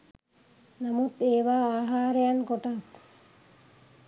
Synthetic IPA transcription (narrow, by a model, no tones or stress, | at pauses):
namut̪eːʋaːaːɦaːɾejankoʈas